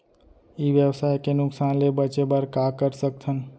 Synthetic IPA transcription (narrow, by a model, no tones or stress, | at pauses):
ibjəbsajkenuksanlebət͡ʃebəɾkakəɾsək̚t̪ʰən